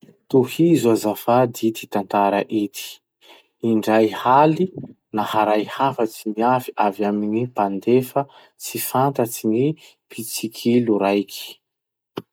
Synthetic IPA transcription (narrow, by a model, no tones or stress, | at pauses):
t̪uhizuazafad̪it̪i̥t̪ant̪aɾaʔit̪i̥ | iɳɖ͡ʐajhali | nahaɾajhafət͡siniafi̥ʔavjaminipand̪efə | t͡sifant̪at͡sini | pit͡sikʰiluɾajkʰi̥